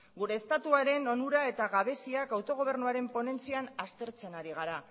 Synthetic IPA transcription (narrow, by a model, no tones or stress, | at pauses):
ɡuɾe̞ːst̪at̪uaɾe̞no̞nuɾae̞t̪aɣaβe̞siakawt̪o̞ɣ̞o̞β̞e̞ɾnuaɾe̞mpo̞ne̞nt͡sianast̪e̞ɾt͡se̞naɾiɣ̞aɾa